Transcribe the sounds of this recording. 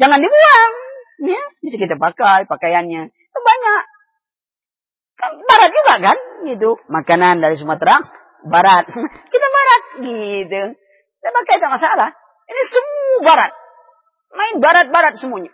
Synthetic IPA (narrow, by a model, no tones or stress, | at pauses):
d͡ʒaŋandibəlaŋjabis̬ikit̪apakajpakajanɲa | t̪ubaɲak | kanbaɾat̪̚d͡ʒuɡaʔkanɡit̪̬umakanandaɾis̬əmuat̪əɾaŋ | baɾat̪̚kit̪abaɾat̪̚ɡit̪u | kit̪apakajt̪amasalah | inisəmuabaɾat̪̚ | maɪnbaɾat̪̚baɾat̪̚səmuaɲa